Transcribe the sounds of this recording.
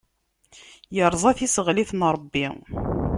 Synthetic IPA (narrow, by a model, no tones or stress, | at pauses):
jəɾˤzˤɑθisəʁliθnɾˤəbːi